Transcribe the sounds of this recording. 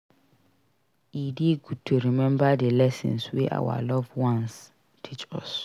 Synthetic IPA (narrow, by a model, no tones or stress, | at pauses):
ideɡud̚tʰuɾimɛ̃mbadelɛsɛ̰̃nsweʔa̰wa̰lɔvwãns | tʰit͡ʃɔ̰s